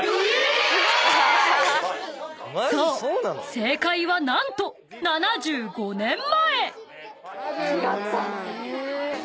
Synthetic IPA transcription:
soːsoːnsse̞ːkaiβanãnt̪o̞ | nanaʑɨːɡo̞nẽ̞mːae | ia

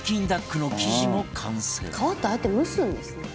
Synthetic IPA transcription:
kʲĩnd̪akːɯ̟no̞kʲiʑimo̞kʰãɰ̃sɾkʰaβat̪ːeaet̪ːemɯ̟sɨ̃nd̪esɨne

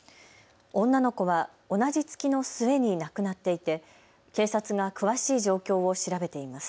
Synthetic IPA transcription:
õ̞nːano̞ko̞βa | o̞nad͡ʑit͡sɨ̥kʲino̞sɨe̞ɲ̟inakɯ̟nat̪ːe̞it̪e̞ | ke̞ːsat͡sɨɡakɯ̟βaɕiːʑo̞ːkʲo̞ːo̞ɕiɾabe̞t̪e̞imasɨ̥

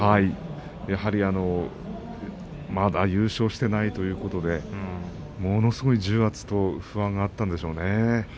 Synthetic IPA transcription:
hai | jahaɾʲiano̞ | mad̪ajɯ̟ːɕo̞ːɕi̥t̪e̞nait̪o̞jɯ̟ːko̞t̪o̞d̪e̞ | mo̞no̞sɨɡo̞id͡ʑɨːɡat͡sɨ̥t̪o̞ɸɯ̟βãŋɡaːt̪ːãnd̪e̞ɕo̞ːne̞

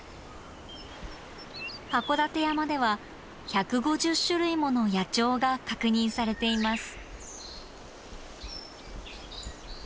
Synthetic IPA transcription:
hako̞d̪at̪e̞jamad̪e̞βa | çakɯ̟ɡo̞ʑɨɕɨɾɯ̟imo̞no̞jat͡ɕo̞ːɡakakɯ̟ɲ̟ĩɰ̃saɾe̞t̪e̞imasɨ̥

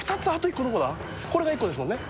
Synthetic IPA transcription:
fɯ̥t̪at͡sɨat̪ːoikːonokod̪a | ko̞ɾe̞ɡaikːo̞d̪esɨmõ̞nːe

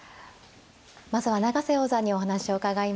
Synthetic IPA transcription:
mazɨβanaɡase̞o̞ːzaɲ̟io̞ɦanaɕio̞kaɡaim

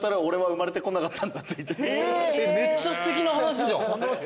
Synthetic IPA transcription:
t̪aɾao̞ɾe̞βaɯ̟maɾe̞t̪e̞ko̞nakat̪ʰːãnd̪at̪ːe̞it̪ːeeme̞t͡ɕːasɨ̥t̪ekʲinaɦanaɕ̬iʑa

